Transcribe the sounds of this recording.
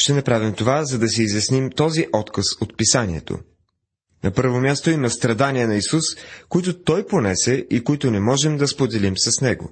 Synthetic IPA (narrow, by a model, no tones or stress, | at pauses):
ʃt̪ɛnɐpɾavimt̪ovazɐd̪ɐsiːzjɐsnimt̪ɔziʔɔt̪kɐsot̪̚pisanʲiɛ̰t̪o̰ | nɐpɤɾvomʲjast̪oimɐst̪ɾɐd̪aniɛnɐisuskoit̪ʊt̪ɔjponɛsɛʔikoit̪ʊnɛmɔʒɛmd̪ɐspod̪ɛlimsɐsnɛɡo̰